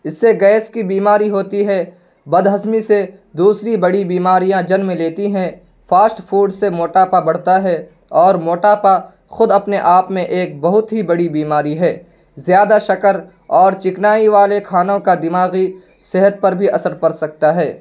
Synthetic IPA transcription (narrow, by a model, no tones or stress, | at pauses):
ɪsːeɡɛːskibiːmaːɾiɦoːt̪iɦɛ | bɐd̪ɦəzmise | d̪uːsɾibɐɽibiːmaːɾijãd͡ʒɐnmẽleːt̪iɦɛ̃ | faːsʈpʰuːɖsemoːʈaːpabɐɽ̤t̪aɦɛ | ɔːɾmoːʈaːpa | xʊd̪ɐpneʔaːpmẽʔeːk̚bɐɦʊt̪ɦibɐɽibiːmaːɾiɦɛː | zjaːd̪aʃɐkəɾ | ɔːɾt͡ʃɪknaːiʋaːlekʰaːnõkad̪ɪmaːɣi | seɦət̪̚pɐɾbʱiʔɐsəɾpɐɾsɐk̚t̪aɦɛː